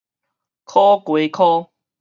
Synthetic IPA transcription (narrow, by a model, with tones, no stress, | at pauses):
kʰɔ˦kwe˨˦kʰɔ˦